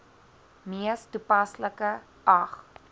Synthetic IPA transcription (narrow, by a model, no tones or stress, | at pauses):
miəstupɐsləkə | ʔɐχ